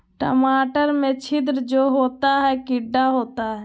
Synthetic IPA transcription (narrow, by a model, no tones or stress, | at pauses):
ʈə̰maːʈəɾmẽt͡ʃʰɪd̪ɾd͡ʒoːɦoːt̪aɦɛkɪɖːaɦoːt̪aɦɛ